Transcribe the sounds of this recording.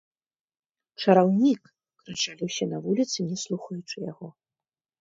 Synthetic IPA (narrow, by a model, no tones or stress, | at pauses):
t͡ʂɐɾawnʲik | kɾat͡ʂalʲiwsʲɛnɐvulʲit̪sɨnʲɛslˠuxɐjut͡ʂɨjaɣɔ